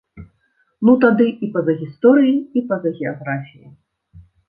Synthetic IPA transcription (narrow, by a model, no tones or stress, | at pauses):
nut̪ad̪ɨʔipɐzɐɣʲist̪ɔɾɨjiipɐzɐɣʲɛaɣɾafʲijḭ